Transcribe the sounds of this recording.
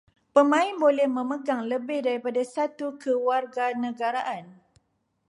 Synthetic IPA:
pəmãɪnbolɛhmə̃məɡaŋləbɪhdaɾipadasat̪ukəwarɡanə̃ɡaɾaʔan

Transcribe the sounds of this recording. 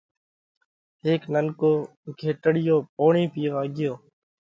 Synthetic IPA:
ɦeːknənkoː | kʰeːʈəɽɪjoːpoːɳiːpɪjoːaːɡɪjoː

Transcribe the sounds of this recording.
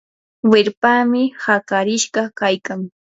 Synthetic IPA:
weɾpaːmɪhakaɾɪʃɢɑkajkaŋ

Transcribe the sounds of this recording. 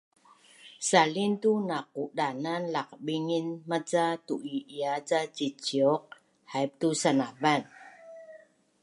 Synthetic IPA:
salint̪unak̚udananlak̚ɓiŋinmat͡satuʔiiad͡zat͡ɕit͡ɕiɔk̚ | hajp̚t̪usanavan

